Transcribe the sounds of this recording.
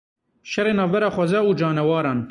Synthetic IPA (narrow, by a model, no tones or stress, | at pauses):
ʃɐɾeːnɑːvbɐɾaːxʷɐzɐud͡ʒɑːnɐwɑːɾɑːn